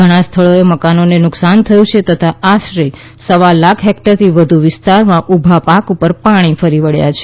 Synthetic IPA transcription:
əɽ̃ãst̪ʰəɭoeməkanonenʊksant̪ʰəjũt͡ʃʰet̪ət̪ʰaʔaʃɾi | səʋalakʰɦɛk̚ʈəɾt̪ʰiʋəd̪ʱuʋɪst̪aɾmãʔubʱapakupəɾpaɽ̃ifəɾiʋəɭja̰t͡ʃʰe

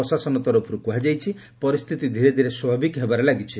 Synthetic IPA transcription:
ɔsasɔnɔt̪ɔɾɔpʰɾukuɦad͡ʒajt͡ʃʰi | pɔɾist̪ʰit̪id̪ʱiɾed̪ʱiɾeswɔbʱabikɦebaɾelaɡit͡ʃʰi

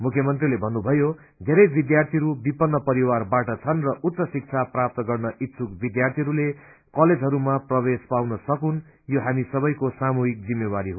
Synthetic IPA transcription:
mukʰjʌmʌnt̪rilebʱʌnːubʱʌjo | d̪ʱeɾʌjbid̪jart̪ʰiɦɾubipʌnːʌpʌɾiwarbaʈʌt͡sʰʌnrʌʔut̪ːsʌsik̚t͡sʰaprap̚t̪ʌɡʌrnʌʔit̪sʰukbid̪jart̪ʰiɦʌɾule | kʌled͡zɦʌɾumaprʌβespawnʌsʌkun | joɦamisʌbʌjkosamuɦik̚d͡zimːewaɾiɦo

